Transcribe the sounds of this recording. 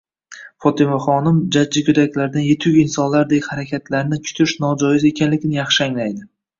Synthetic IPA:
fɒt̪ʰɪmaχɒnɪmd͡ʒaːɪkʲʰʊd̪akʲlaɾd̪anjet̪ʰʊɡʲɪnsɒnlaɾd̪ehaɾakʲʰat̪ʰlaɾnɪt͡ʃʰʊ̥t̪ʰɪʃnɒd͡ʒɒjɪze̞kʲʰanlɪɡʲnɪjɑχʃɪaŋlajd̪ɪ

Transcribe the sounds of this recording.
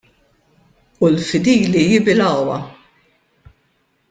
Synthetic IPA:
ulfɪd̪iːlijɪbɪlɐwɐ̰

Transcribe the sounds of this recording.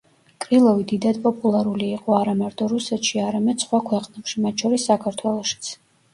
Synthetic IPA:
kʼɾilˠɔvid̪id̪ad̪pʼɔpʼulˠaɾuliːqʼɔaɾamaɾt̪ʼɔɾusɛt̪ʃiaɾamɛd̪̥sχwakʰwɛqʼnɛpʃimat̪̚t͡ʃʰɔɾisːakʰaɾt̪ʰwɛlˠɔʃi̥t̪sʰ

